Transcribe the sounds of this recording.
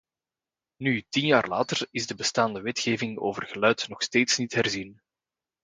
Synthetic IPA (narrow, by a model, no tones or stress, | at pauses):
nytinjaːrla̰ːtərɪzdəbəstaːndəʋɛtxeːvɪŋo̰ːvərɣəlœɥtnɔxsteːtsnitɦɛrzin